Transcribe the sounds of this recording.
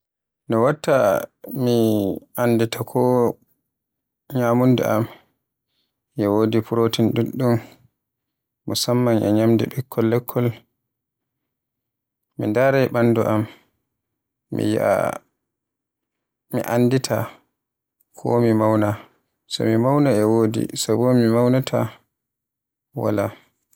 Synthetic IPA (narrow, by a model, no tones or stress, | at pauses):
nɔwatːamiʔanditakʰɔ | ɲaːmundɛ̰ʔam | jɛwoːdipuɾotinduɗːum | usamːanʔɛ̰ɲamdɛ̰ɓɛkʰːɔlːɛkʰːɔl | mḭndaɾɛjɓanduʔam | mḭjḭa̰ | mḭʔanditʰa̰ | kʰɔ̰mimawna | sɔ̰mimawnaɛwoːdḭsabɔmimawnatʰa̰ | wa̰la̰